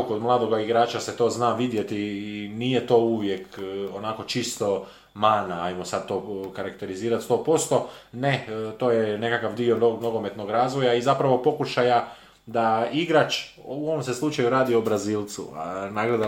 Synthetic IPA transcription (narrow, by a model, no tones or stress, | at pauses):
okod̪mlˠaːd̪o̞ɡaiɡɾaːt͡ʃase̞t̪o̞ːznaːʋid̪je̞t̪iːnije̞t̪o̞ːuʋje̞konako̞t͡ʃist̪o̞ | maːnaajmosad̪̚t̪o̞kaɾakt̪e̞ɾiziːɾat̪st̪o̞ːpo̞st̪o̞ne̞t̪o̞ːjene̞kakaʋd̪ionono̞ɡo̞me̞t̪no̞ɡɾaːzʋo̞jaizapɾaʋo̞po̞kuʃaja | d̪aiɡɾat͡ʃuo̞ʋomseslˠut͡ʃajuɾaːd̪iobɾaziːlˠt̪sṵnaɡled̪a